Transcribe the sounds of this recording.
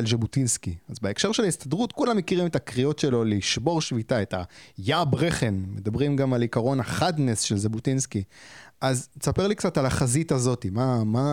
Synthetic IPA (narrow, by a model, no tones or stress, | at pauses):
lʒabutinskiazbeekʃe̞ʁʃe̞laist̪adʁutkulamːekiʁimetakʁio̞tʃe̞lo̞liʃbo̞ʁʃvitae̞tajabʁeχenmed̪abʁimɡamalikaʁo̞naχadnesʃelʒebutinskiʔazesapeʁlikt͡satalaχazitazo̞timama